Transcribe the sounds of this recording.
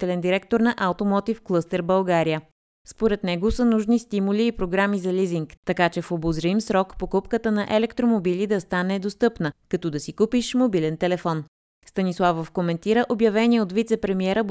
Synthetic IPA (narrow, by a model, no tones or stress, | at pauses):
t̪ɛlɛnd̪iɾɛk̚t̪oɾnɐʔawt̪omɔt̪ifklˠɤst̪ɛɾbəlˠɡaɾijə | spoɾɛt̪nɛɡosənuʒnist̪imuliːpɾoɡɾamizɐliziŋkt̪ɐkat͡ʃɛfobozɾimsɾɔkpokupkət̪ənɐʔɛlɛkt̪ɾomobilid̪ɐst̪anɛd̪ost̪ɤpnəkɐt̪ɔd̪ɐsikupiʃmobilɛnt̪ɛlɛfɔn | st̪ɐnislˠavofkomɛnt̪iɾəʔobjɐvɛniɛot̪vit̪sɛpɾɛmiɛɾə